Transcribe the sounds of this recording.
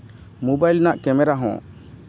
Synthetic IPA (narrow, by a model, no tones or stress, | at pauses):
mubajlnaʔkɛmɛɾaɦɔ̰̃